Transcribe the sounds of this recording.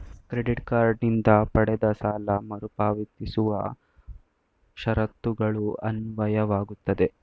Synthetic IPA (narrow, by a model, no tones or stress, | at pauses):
kɾeɖiʈkaːɾɖnind̪ɐpɐɽɛd̪ɐsaːlɐmɐɾupaːʋit̪isuʋɐ̰ | ʃɐɾɐt̪ːuɡɐɭuɐ̰nʋɐjɐʋaːɡut̪ːɐd̪e̞